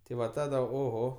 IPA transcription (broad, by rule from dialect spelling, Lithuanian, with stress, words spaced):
tʲɪ ˈʋɐ ˈtɑːdɐ oːˈɣoː